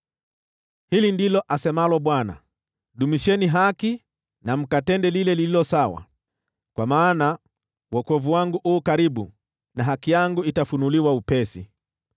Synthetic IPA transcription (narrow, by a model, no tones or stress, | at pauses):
hilindilɔʔasɛmalɔɓwana̰ | ɗumiʃɛniɦaki | nam̩katɛndɛlilɛlililɔsawa̰ | kwamaːna | wɔkɔvuwaŋɡuʔuːkaɾiɓṵ | naɦakijaŋɡuitafunuliwaupɛsḭ